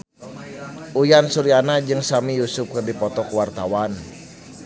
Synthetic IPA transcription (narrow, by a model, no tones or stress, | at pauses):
ʔujansuɾianad͡ʒɨŋsamijusʊp̚kərdipɔt̪ɔkuwart̪awan